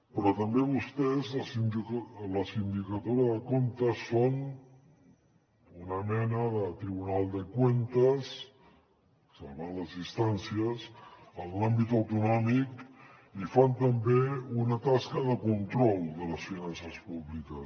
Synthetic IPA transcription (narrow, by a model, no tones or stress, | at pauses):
pɾɔt̪əmbeβ̞ust̪ɛzəsinləsind̪ikət̪oɾəðəkont̪əsfon | unəmɛnəðət̪ɾiβunalˠd̪əkwent̪əs | səlβaləzðist̪ansiəsənlambit̪əwt̪unɔmik | ifant̪əmbeunət̪askəðəkunt̪ɾɔlˠd̪ələsfinansəspuβlikəs